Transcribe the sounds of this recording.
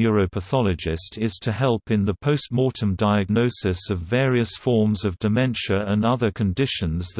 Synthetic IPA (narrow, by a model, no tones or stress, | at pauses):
ɔɹəʊpʰəθɑlˠɨd͡ʒɪstʰɪz̥tʰɨhɛlˠpɨ̃nðəpʰəʊst̚mɔɹɾə̃mdaɪɨɡ̚nəʊsɨsʌvːɛːɹiɨsfɔɹmzʌvdɨmɛ̃nʃə˞ə̃nʌðə˞kʰɨ̃ndɪʃɨ̃nzð